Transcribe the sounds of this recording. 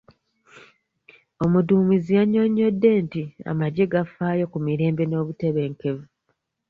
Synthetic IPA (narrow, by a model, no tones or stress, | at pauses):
o̞muduːmizijaɲːo̞ɲːo̞dːe̞ːntia̰maɟeɡafaːjo̞kumiɾe̞ːmbe̞no̞ːβute̞βe̞ːŋke̞vu